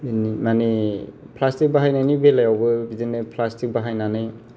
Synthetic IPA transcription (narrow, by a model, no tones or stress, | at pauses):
nimane | pʰlastik̚baɦajnajnibelajawbɯbizenɯpʰlastik̚baɦajnanɯj